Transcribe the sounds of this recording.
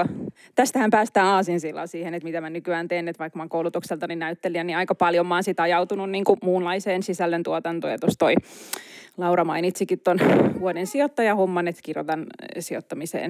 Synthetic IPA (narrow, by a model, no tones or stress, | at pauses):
t̪æst̪æhæmpæːst̪æːɑːsinsilːɑ̰ːsiːhenet̪mit̪æmænykyæːnt̪eːnːet̪ʋɑikːmɑːŋkoulut̪ukselt̪ɑninæyt̪ːeliæniɑikɑpɑljomːɑːnsit̪ɑjɑut̪ununniːŋkumuːnlɑiseːnsisælːent̪uot̪ɑnt̪o̰ːjɑ̰t̪ost̪oi | lɑurɑmɑinit̪sikit̪t̪onʋuodensiot̪ːɑjɑhomːɑnet̪kirjo̰t̪ɑnsio̰t̪ːɑmisḛːn